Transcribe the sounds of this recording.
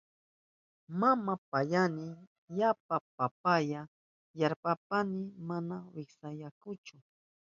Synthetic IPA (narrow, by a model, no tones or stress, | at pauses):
mamapajanɪ | japapap̚aja | jaɾpap̚anɪmanawɪksajakʊt͡ʃʊ